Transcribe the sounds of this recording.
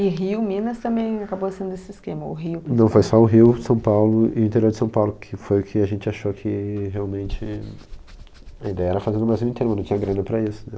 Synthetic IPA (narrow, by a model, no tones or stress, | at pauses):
ɪɦiumĩnɐst̪ɐ̃mbẽj̃akabosẽnd̪ʊesɪɪskẽmɐʊɦiʊnɐ̃w̃fojsɔʊɦiwsɐ̃w̃pawlʊɪʊĩt̪eɾioɾd͡ʒɪsɐ̃w̃pawlʊkʰɪfojʊkʰɪaʒẽnt͡ʃɪaʃokʰɪɦeawmẽnt͡ʃɪ | ɐĩd̪ɛjɐɛɾɐfazẽd̪ʊmajzũĩt̪ẽɾmɐ̃ñt͡ʃĩɲɐɡɾɐ̃nɐpɾɐisʊ̥nɛ̃